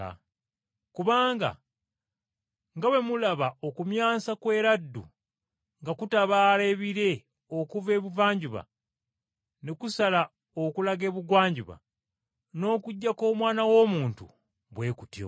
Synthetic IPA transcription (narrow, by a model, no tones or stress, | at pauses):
a̰ | kuβaːŋɡa̰ | ŋɡawe̞mulaβao̞kumjaːsakwe̞ːɾadːṵ | ŋɡakutaβaːleːβiɾe̞ | okuve̞ːβuvaːɲɟuβa̰ | nekusala | okulaɡe̞ːβuɡwaːɲɟuβa̰ | no̞ːkuɟːako̞ːmwaːnawo̞ːmuːntṵ | βwe̞ːkutjo̰